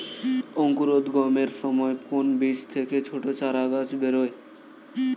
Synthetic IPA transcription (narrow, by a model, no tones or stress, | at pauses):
oŋkuɾod̪ɡomeɾʃɔmɔekonbiʃt̪ʰeket͡ɕʰoʈot͡ɕaɾaɡat͡ɕbeɾoe